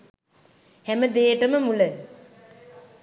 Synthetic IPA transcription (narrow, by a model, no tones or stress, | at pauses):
hæməd̪eːʈəməmulə